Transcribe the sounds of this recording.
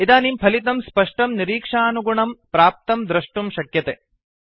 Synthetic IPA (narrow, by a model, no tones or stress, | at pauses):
id̪aːnimpʰɐlit̪ɐmspɐʂʈɐmniɾiːkʂaːnuɡuɳɐmpɾaːp̚t̪ɐmd̪ɾɐʂʈumʃɐkjɐt̪e